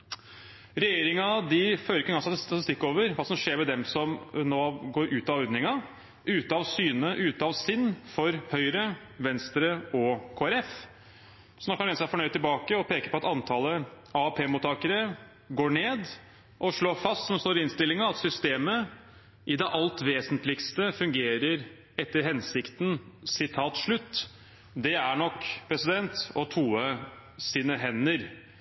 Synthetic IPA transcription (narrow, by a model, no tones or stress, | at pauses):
ɾɛjeːɾɪŋɑd̪ɪføːɾɪkːəɡɑnsɑt̪st̪ɑt̪ɪst̪ɪkːoːʋəɾʋɑːsɔmʂeːɾʋɛd̪ɛmsɔmnoːɡoːɾʔʉːt̪ɑɔɾd̪nɪŋɑ | ʉːt̪əɑʋsyːnəʔʉːt̪əɑʋsɪnːfɔɾhœʏɾə | ʋɛnst̪ɾəɔkʰoːæɾɛf | sɔnɔkːɑɛnsæfɔɳœʏɪlbɑːkəɔpʰeːkəɾpʰɔɑt̪ɑnt̪ʰɑːlə | ɑɑpʰeːmuːt̪ːɑːkəɾə | ɡoːɳeːd̪ | ʔɔʂɭoːfɑst̪sɔmst̪oːɾɪɪnst̪ɪlːɪŋɑɑt̪sʏst̪eːmə | ʔɪd̪ɛʔɑlt̪ʋeːsənt̪lɪkst̪əfʉŋɡeːɾəɾ | ɛt̪ːəɾɦɛnsɪkt̪nsɪt̪ʰɑːt̪ʂɭʉt̪ː | d̪ɛæɳɔkːpʰɾɛsɪd̪ɛnt̪ɔt̪ʰuːəsiːnəɦɛnːəɾ